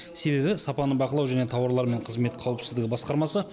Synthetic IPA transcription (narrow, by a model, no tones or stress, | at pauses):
se̞βe̞bɪsɑpɑnəbɑqəlˠɑwʒæne̞t̪ʰɑwɑɾlˠɑɾme̞ɴqʰəzme̞t̪qʰɑwəpsɪzd̪ɪɡʲɪbɑsqɑɾmɑsə